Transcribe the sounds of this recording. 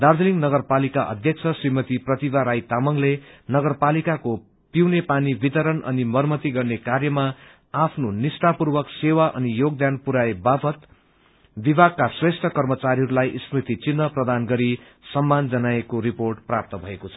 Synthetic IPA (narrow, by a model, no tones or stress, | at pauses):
d̪ard̪iliŋnʌɡʌrpalikaʔʌ̰d̪ʱjʌk̚t͡sʰʌsrimʌt̪iprʌt̪ibaɾajt̪amʌŋlenʌɡʌrpalikako | piwnepanibit̪ʌɾʌnʌ̰nimʌrmʌt̪iɡʌrnekarjʌma | apʰnonisʈapurwʌksewaʔʌ̰nijoɡ̚d̪anpuɾaebapʰʌt̪ | bibʱaɡ̚kasresʈʰʌkʌrmʌt͡saɾiɦʌɾulajʔisrit̪it͡sinːʌprʌd̪anɡʌɾi | sʌmːand͡zʌnaekoɾiporʈprap̚t̪ʌbʱʌekot͡sʰʌ